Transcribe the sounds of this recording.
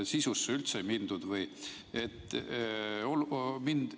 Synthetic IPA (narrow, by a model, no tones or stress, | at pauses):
sisusːeylt̪seemind̪̥ud̪̥vɤj | e̞t̪ːˑ | olmind̪̥